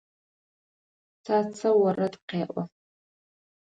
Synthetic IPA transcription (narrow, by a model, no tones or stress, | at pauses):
t͡sʰat͡sʰɐwarɐdqeːʔʷʼa